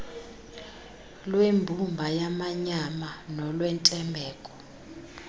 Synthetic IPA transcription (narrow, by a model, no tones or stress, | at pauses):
lwembʱumbʱajamaɲamanɔlwɛntʼɛmbʱɛːkʼɔ̥